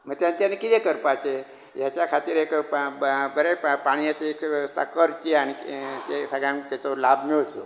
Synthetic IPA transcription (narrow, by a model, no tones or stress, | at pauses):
məɡt̪jãnt͡ɕjanekit̪ɛkəɾpat͡ɕe | jat͡ɕjakʰat̪iːɾek | bəɾepaɽ̃iet̪eːksa̰kəɾt͡ɕiañit̪esəɡɭjãmt̪at͡solabmiɭt͡so